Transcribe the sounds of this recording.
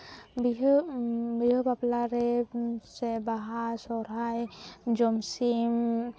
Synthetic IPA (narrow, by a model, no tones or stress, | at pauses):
biɦ | biɦobaplaɾesebaɦasɔɾajd͡ʒɔmsim